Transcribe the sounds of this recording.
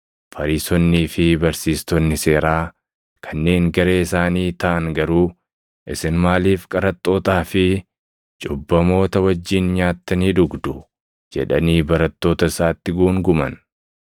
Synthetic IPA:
fɐɾiːsɔnːiːfɪbɐɾsiːst̪ɔnːɪse̞ːɾaː | kʰɐnːe̞ːŋɡɐɾe̞ːɪsaːniːt̪ɐʔɐŋɡɐɾuː | ʔɪsɪnmaːliːfkʼɐɾɐt̪ʼːo̞ːt̪aːfɪ | t͡ʃʼʊbːɐmo̞ːt̪ɐwɐd͡ʒːiːnɲaːt̪ːɐniːd̪ʊɡd̪ʊ | d͡ʒɛ̰ᶑɐniːbɐɾɐt̪ːo̞ːt̪ɐɪsaːt̪ːɪɡuːŋɡʊmɐ̰n

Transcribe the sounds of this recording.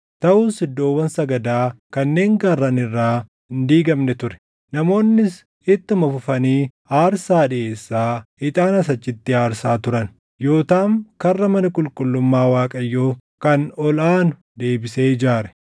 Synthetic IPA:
t̪ɐʔuːnsɪd̪ːo̞ːwːɐnsɐɡɐd̪aːkɐnːe̞ːŋɡɐrːɐnɪrːaː | nd̪iːɡɐmnɛt̪ʊɾɛ̥ | nɐmo̞ːnːɪs | ɪt̪ːɪmɐfʊfɐniː | aːɾsaːᶑɪʔe̞ːsːaːɪt̪ʼaːnɐs̬ɐt͡ʃːɪt̪ːɪaːɾsaːt̪ʊɾɐn | jo̞ːt̪aːŋkɐrːɐmɐnɐkʼʊlkʼʊlːʊmːaːwaːkʼɐjːoː | kɐnɔlaːnʊ̥ | d̪e̞ːbɪseːd͡ʒaːɾɛ

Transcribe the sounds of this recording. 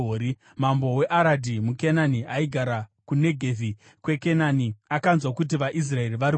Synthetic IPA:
oɾi | mambo̞we̞ʔaɾadʱimukenaniaiɡʱaɾakune̞ɡʱevi | kwe̞kenaniakanzwakut̬iʋaʔis̬rae̞riʋaɾi

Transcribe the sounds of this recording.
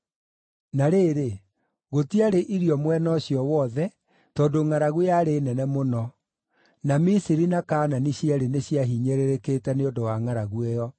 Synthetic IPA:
naɾeːɾe | ɣotiaɾeʔiɾiɔmwɛnɔɕiɔwɔðɛ | tɔːdoŋaɾaɣujaɾenɛnɛmonɔ | namisiɾinakaːnaniɕiaɾeneɕjaɦiɲeɾeɾekeːtɛneondowaŋaɾaɣuejɔ

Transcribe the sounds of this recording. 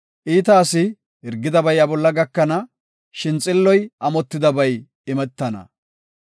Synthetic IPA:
ʔiːt̪aːsɪ | hɪɾɡɪd̪ɐbɐjɐbɔlːɐɡɐkːɐnɐ | ʃɪnt͡sʼɪlːɔjʔɐmɔt̪ːɪd̪ɐbɐj | ɪmɛt̪ːɐnɐ̰

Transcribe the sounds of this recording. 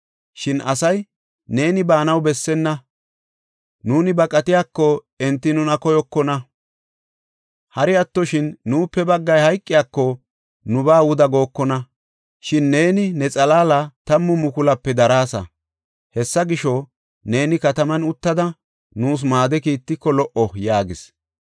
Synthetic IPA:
ʃɪnɐsɐj | ne̞ːnɪbaːnɐwbɛsːɛnːɐ | nuːnɪbɐkʼɐt̪ɪjaːkːɔ | ɛnt̪ːɪnʊnɐkɔjɔkːɔnɐ | hɐɾɪɐt̪ːɔʃɪnːuːpːɛbɐɡːɐjhɐjkʼːɪjaːkːɔ | nʊbaːʊd̪ɐɡo̞ːkːɔnɐ | ʃɪnːe̞ːnɪnɛt͡sʼɐlaːlɐt̪ɐmːʊmʊkʊlɐpːɛd̪ɐɾaːsɐ̰ | hɛsːɐɡɪʃɔ | ne̞ːnɪkɐt̪ɐmɐnʊt̪ːɐd̪ɐ | nuːs̬maːd̪ɛkiːt̪ːɪkːɔlɔʔɔjaːɡɪs

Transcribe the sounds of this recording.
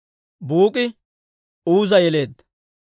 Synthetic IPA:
buːkʼɪ | uːzɐjɛle̞ːd̪

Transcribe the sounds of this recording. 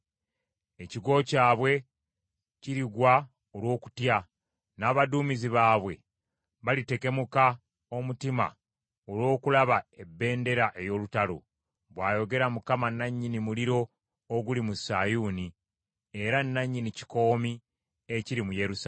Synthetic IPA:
e̞ciɡwo̞caːβwe̞ | ciɾiɡwa | olwo̞ːku̥tja | naːβaduːmiziβaːβwe̞ | βalite̞ke̞muka | o̞mutima̰ | olwo̞ːkulaβaebːe̞ːnde̞ɾaʔe̞jo̞ːlutalo̰ | βwaːjo̞ɡe̞ɾamukamanaɲːinimuliɾo̞ː | ɡulimusajuːni | e̞ɾanːaɲːinici̥ko̞ːmi | eciɾimujeɾus

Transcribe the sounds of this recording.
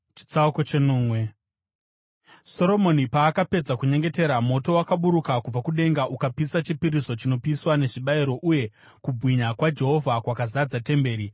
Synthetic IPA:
t͡ʃi̥t͡sauko̞t͡ʃe̞nuːmwe̞ | so̞ɾo̞mo̞nipaːkape̞d͡zakuɲe̞ŋɡe̞te̞ɾamo̞to̞wakaɓuɾukakub͡vakuɗe̞ŋɡaʔukapisat͡ʃipiɾiso̞t͡ʃino̞piswane̞ʐiɓaiɾo̞ʔuje̞ | kubʱwiɲakwad͡ʒe̞ɦo̞vʱakwakazad͡zate̞mbe̞ːɾi

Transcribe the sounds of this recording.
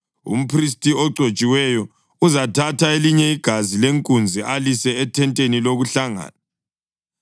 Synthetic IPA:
ṵm̩pʰris̬tʼiɔǀʱot͡ʃʼiwɛjɔ | uzatʰatʰaeliɲɛiɡ̥ʱazileŋkʼund͡zʱiʔalisɛːtʰɛntʼeniloɣuɬaŋa̰ːna

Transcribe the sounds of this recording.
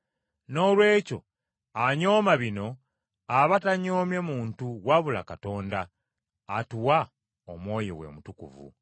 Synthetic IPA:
no̞lwe̞ːco̞̰ | aɲo̞ːmaβino̞ | aβataɲo̞ːmje̞muːntuwaβula̰kato̞ːndaː | tuwa | omwo̞ːjo̰wḛmutukṵvṵ

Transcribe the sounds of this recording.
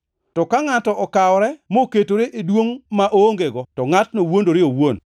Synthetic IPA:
tɔkaŋatɔʔɔkaɔɾɛmoketoɾeʔedwoŋmaʔoŋɡeɡɔtɔŋatnowondoɾɪowon

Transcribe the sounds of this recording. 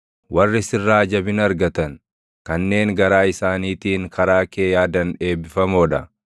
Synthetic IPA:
wɐrːɪsɪrːaːd͡ʒɐbɪnɐɾɡɐt̪ɐn | kɐnːe̞ːŋɡɐɾaːɪsaːniːt̪iːŋkʰɐɾaːke̞ːjaːd̪ɐnᶑe̞ːbɪfɐmoːᶑɐ

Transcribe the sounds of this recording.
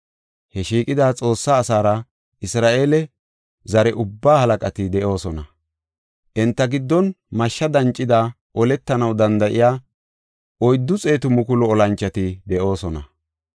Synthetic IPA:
hɛʃiːkʼɪd̪aːt͡sʼo̞ːsːaːsaːɾɐ | ʔɪsɾaːʔe̞ːlɛ | zɐɾɛʔʊbːaːhɐlɐkʼɐt̪ɪd̪ɛʔo̞ːsɔnɐ | ʔɪnt̪ːɐɡɪd̪ːɔn | mɐʃːɐd̪ɐnt͡ʃʼːɪd̪a | ʔɔlɛt̪ːɐnɐwd̪ɐnd̪ɐʔɪjaː | ʔɔjd̪ːʊt͡sʼe̞ːt̪ʊmʊkʊlɔɔlɐnt͡ʃːɐt̪ɪd̪ɛʔo̞ːsɔnɐ̰

